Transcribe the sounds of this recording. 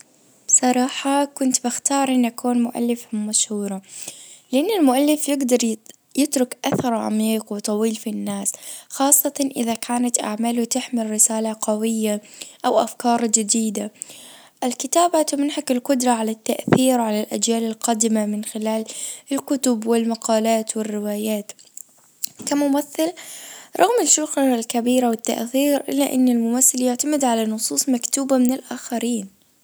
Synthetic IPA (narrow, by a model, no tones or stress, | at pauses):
b̥sˤɑɾˤɑːħɑkʊnt̪bɪxt̪ɑːɾˤʔɪnːʔakuːnmʊʔa̰lːɪfʊmmːaʃhuːɾˤɑlɪʔanːɪlmʊʔalːɪfjɪɡd̪ɑɾˤ | jɪt̪ɾʊkʔaθɑɾˤʕa̰miːqwɪt̪ˤɑwiːlfinːaːsxɑːsˤːɑt̪ʔɪ̰ðakʰaːnat̪ʔa̰ʕmaːlʊt̪ɪħmɪlɾɪsaːlaqawɪjːaʔawʔafkɑːɾˤd͡ʒɪd̪iːd̪a | ʔɪlkɪt̪aːbat̪ʊmɪnhakɪlqʊd̪ɾˤɑʕalat̪ːaʔθiːɾʕalalʔad͡ʒjaːlɪlqɑd̪ɪmamɪnxɪlaːlɪlkʊt̪ʊbwɪlmɑqɑːlaːt̪wɪrːɪwaːjaːt̪ | kamʊmaθːɪlɾˤɑɣmɪʃʊxaalkabiːɾawɪt̪ːa̰ʔθiːɾʔɪ̰lːaʔɪ̰nːɪlmʊmaθːɪljaʕt̪amɪd̪ʕalanʊsˤuːsˤmakt̪uːbamɪnɪlʔaːxaɾiːn